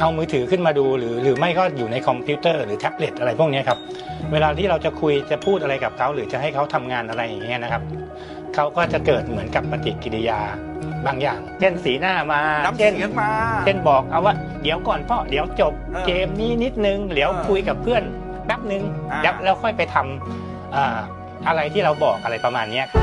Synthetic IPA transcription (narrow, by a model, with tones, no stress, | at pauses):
ʔa˧wmɯː˦˥t̪ʰɯː˩˦kʰɯ˥˩nmaː˧duː˧ɾɯː˩˦ɾɯː˩˦ma˥˩jkɔː˥˩juː˨˩na˧jkʰɔ˧mpʰi˧˦˥t̪ɤː˥˩ɾɯː˨˩˦t̪ʰɛ˦˥p̚le˨˩t̪ʔa˧ɾa˧jpʰu˥˩əŋni˦˥ɐkʰa˦˥p̚ | weː˧laː˧t̪ʰiː˥˩ɾa˧wt͡ɕa˨˩kʰu˧jt͡ɕa˨˩pʰuː˥˩t̪̚ʔa˧ɾa˧jka˨˩p̚kʰa˦˥wɾɯː˩˦t͡ɕa˨˩ɦa˥˩jkʰa˦˥wt̪ʰa˧mŋaː˧nʔa˧ɾa˧jːa˨˩ŋ˩ŋːi˦˥ɐna˦˥kʰa˦˥p̚ | kʰa˦˥wkɔː˥˩t͡ɕa˨˩kɤː˨˩t̪̚mɯ˩˦ənka˨˩pːa˧t̪ḭ˨˩ki˨˧li˧jaː˧ | baː˧ŋja̰ː˨˩ŋt͡ɕʰe˥˩nsiː˩˦naː˥˩maː˧t͡ɕʰe˥˩˨n˥˧t͡ɕʰe˥˩nbɔː˨˩k̚ʔa˧˩waː˥˩ | di˨˩˦əwkɔː˨˩npʰɔ˦˥˩d̪i˨˦əwt͡ɕo˨˩p̚keː˧mniː˧˥˩ni˦˥t̪̚nɯ˧ŋli˨˩˦əwkʰu˧jka˨˩pʰːɯ˥˩ən | bɛː˦˥p̚nɯ˨˧ŋɛː˦˥wlɛː˦˥wkʰɔ˥˩jpa˧jt̪ʰa˧m | ʔɤː˨˩ | ʔa˧ɾa˧jt̪ʰiː˥˩ɾa˧wbɔː˨˩k̚ʔa˧ɾa˧jpa˧maː˧nːi˦˥ɐkʰa˦˥